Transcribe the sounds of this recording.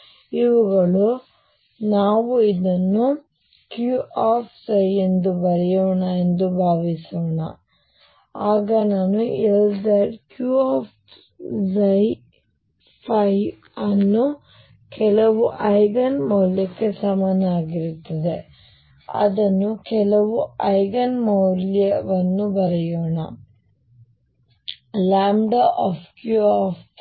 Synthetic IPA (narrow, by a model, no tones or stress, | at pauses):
iʋuɡɐɭu | naːʋuid̪ɐnːu | kjuʔaːpʰsɐjend̪ubɐɾɛjoːɳɐend̪ubʱaːʋisoːɳɐ̰ | aːɡɐnaːnueld̪ɐɖkjuaːp | zɐj | pʰɐj | ɐnːu | kelɐʋuʔɐjɡɐnmoːljɐkːesɐmɐnaːɡiɾut̪ːɐd̪e | ɐ̰ðɐnukelɐʋuɐjɡɐnmowljɐʋɐnːubɐɾɐjoɳɐ̰ | laːmɖɐʔoːfkjuoːf